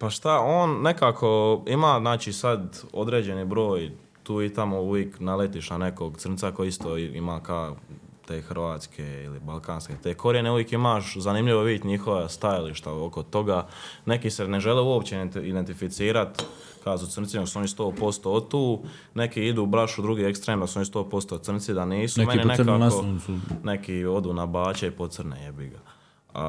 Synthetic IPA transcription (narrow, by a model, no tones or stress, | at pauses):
paʃt̪ao̞ːnːe̞kaːkʰo̞imaːznaːt͡ʃisad̪o̞d̪ɾe̞ːd͡ʑe̞nibɾo̞ːj | t̪uːit̪amouʋjeːknalet̪iʃnane̞koɡt̪srnt̪sakojist̪oːḭmaːka | t̪eːxr̩ʋaːt̪skʰeḭlibalˠkaːnsket̪eːkʰo̞ɾieneuʋjekimaːʃzanimʎiʋoʋid̪ʲet̪ɲixo̞ʋast̪ajaliʃt̪aokot̪o̞ɡane̞kiseneʒeliuopt͡ɕeid̪ent̪ifit̪siːɾat̪ | kasut̪ərnt̪sinosuo̞nist̪o̞ːpo̞st̪ot̪uː | ne̞kiid̪uːbɾaʃud̪ɾuɡiːekst̪ɾeːmd̪asuo̞nist̪o̞ːpo̞st̪oːt̪sr̩nt̪sid̪aniːsume̞ninekaːone̞kio̞d̪uːnabaːt͡ɕeipot̪sr̩nejebiɡa | a̰